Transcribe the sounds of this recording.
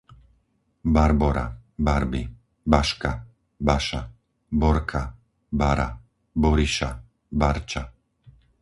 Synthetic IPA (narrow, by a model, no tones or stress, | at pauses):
baɾbɔɾa̰baɾbi | baʃka | baʃa | bɔɾkʰa | baɾa̰ | bɔɾiʃa | baɾt͡ʃa